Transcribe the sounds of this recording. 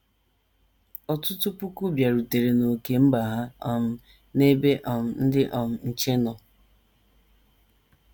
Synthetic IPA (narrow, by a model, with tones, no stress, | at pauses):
ɔ˦tʊ˦tʊ˦pu˦ku˦bja˨ɾu˨te˨ɾe˨no˨ke˨m̩˦ba˨ɦa˦ɔ˨m̩˨ | ne˦be˦ʔɔ˨m̩˨n̩˦dɪ˦ʔɔ˨m̩˨n̩˨t͡ʃe˦nɔ˨